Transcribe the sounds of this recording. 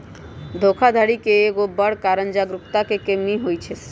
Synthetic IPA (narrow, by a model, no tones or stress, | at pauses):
d̪ʱokʰad̪ʱaɽikeeɡobːaɽkaɾand͡ʑaɡɾupt̪akekemiɦojt͡ɕʰe